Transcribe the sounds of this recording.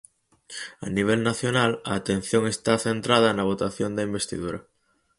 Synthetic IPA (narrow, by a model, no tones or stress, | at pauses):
ɐ̰niβ̞elnaθjonalɐːt̪en̟θjoŋest̪aθent̪ɾað̞ɐnɐβ̞ot̪aθjond̪ɐimbest̪ḭðuɾɐ